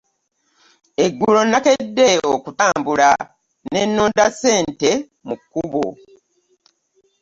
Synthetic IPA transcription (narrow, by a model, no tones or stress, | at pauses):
eɡːulo̞nake̞dːe̞okutaːmbula | ne̞nːoːndase̞ːnte̞ | mukːuβo̰